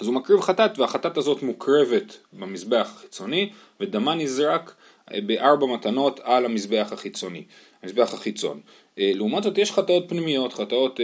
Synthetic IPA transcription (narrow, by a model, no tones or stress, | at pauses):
azumakʁivχatatveaχatatazo̞tmukʁe̞ve̞tbemisbe̞aχḁχi̥t͡so̞ni | vedamanizʁak | beʔaʁbamatano̞talamisbe̞aχaχit͡so̞nḭ | amisbe̞aχaχit͡so̞̰n | leumatzo̞t̪jeʃχatao̞t̪̚pnimijo̞tχatao̞t